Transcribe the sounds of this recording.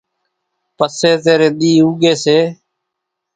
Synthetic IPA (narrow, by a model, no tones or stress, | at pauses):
pəseːt̪eːɾeːɗ̪iːuːɡeːseː